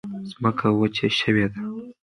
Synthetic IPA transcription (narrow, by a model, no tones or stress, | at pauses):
z̥məkʰawət͡ʃeʃəwed̪a